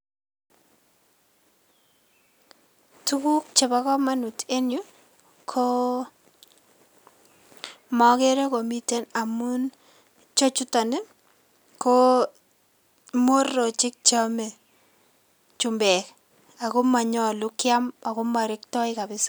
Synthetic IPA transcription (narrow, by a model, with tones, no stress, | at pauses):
tu˦ku˦k̚t͡ʃe˨ba˦kɔ˦ma˦nu˨tʰe˦nju˦ | kʰo˦ | mɔ˨ke˦ɾe˦ko˨mi˦te˦na˨mu˦n | t͡ʃo˦t͡ʃʊ˦ta˨nɪ˦ | ko | mo˦rɔ˨t͡ʃɪ˦k̚t͡ʃa˦me˨ | t͡ʃʊmbɛ˨k | a˨ko˦ma˨ɲɔ˨lʊ˦kja˦ma˨kʊ˦ma˨ɾɪ˦k̚tɔ˦ɪ˦ka˨bɪ˦sḁ˦